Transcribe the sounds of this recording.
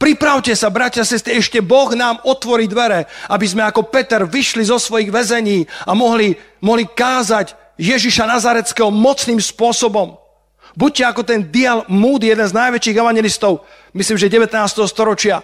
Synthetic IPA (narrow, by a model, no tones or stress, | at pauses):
pɾipɾaʊcɛsabɾacasɛst̪ɾiɛʃcɛbɔɣnaːmɔt̪ʋɔɾiːd̪ʋɛɾɛabizmɛakɔpɛt̪ɛɾʋiʃlizɔsʋɔjiɣʋɛzɛɲiːamɔɦlimɔɦlikaːzaɟ | jɛʒiʃanazaɾɛt͡skɛɦɔmɔt͡sniːmspʊɔsɔbɔm | buc̚cɛakɔt̪ɛnd̪ialmuːd̪jɛd̪ɛnznajʋɛt͡ʃiːɣɛʋaɲɛlist̪ɔʊ | misliːmʒɛɟɛʋɛt̪naːst̪ɛɦɔst̪ɔɾɔt͡ʃɪa